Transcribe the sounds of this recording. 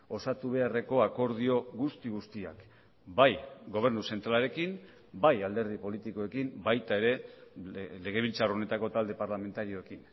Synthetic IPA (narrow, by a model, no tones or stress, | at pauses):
o̞sat̪uβ̞e̞are̞ko̞ako̞ɾð̞io̞ɣust̪iɣust̪ia̰k | bajɡo̞β̞e̞ɾnuse̞nt̪ɾalaɾe̞kim | bajald̪e̞ɾð̞ipo̞lit̪iko̞e̞kimbajt̪ae̞ɾe̞ | le̞ɣ̞e̞βilt͡sarone̞t̪ako̞t̪ald̪e̞paɾlame̞nt̪aɾio̞e̞kin